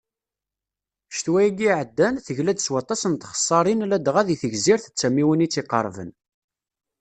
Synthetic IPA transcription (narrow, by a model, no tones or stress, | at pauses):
ʃt̪wæjiɡiʕəd̪ːænθəʝlæd̪t͡sːwɑt̪ˤːɑsənt̪χə̥sˤːɑɾˤinlæd̪ʁæðiθəʝziɾθət͡sːæmiwənit͡sːiqə̰ɾˤvə̰n